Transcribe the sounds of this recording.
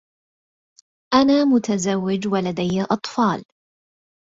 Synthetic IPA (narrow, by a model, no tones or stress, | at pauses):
ʔanaːmʊt̪azawːɪd͡ʒwalad̪ajːaʔɑt̪ˤfɑːl